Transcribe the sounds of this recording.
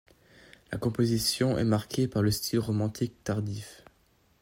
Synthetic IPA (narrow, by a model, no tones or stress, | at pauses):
la̰kɔ̃pozisjɔ̃ʔɛ̰maʁkʰʲepaʁləst̪ʰilʁomɑ̃t̪ʰik̚t̪aʁd̪if